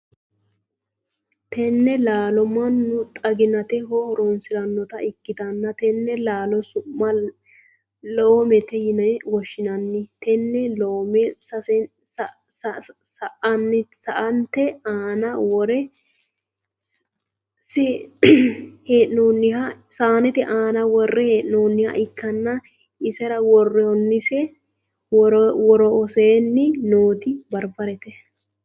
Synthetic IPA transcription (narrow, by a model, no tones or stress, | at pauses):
t̪ɛnːɛlaːlɔmɐnːʊt̪ʼɐɡɪnɐt̪ɛɦɔhɔɾɔnsɪɾɐnːɔt̪ɐɪkːɪt̪ɐnːɐt̪ɛnːɛlaːlɔsʊmːɐ | loːmɛt̪ɛjɪnɐwɔʃːɪnɐnːɪt̪ɛnːɛloːmɛsɐsɛ | ssɐʔɐnːɪsɐʔɐnt̪ɛaːnɐwɔɾɛ | sɛ | heːʔnoːnːɪhɐsaːnɛt̪ɛʔaːnɐwɔrːɛheːʔnoːnːɪhɐ̰ʔɪkːɐnːɐ | ɪsɛɾɐwɔrːɛhɔnːɪsɛ | ɾwɔɾɔɔseːnːɪnoːt̪ɪbɐɾbɐɾɛt̪ɛ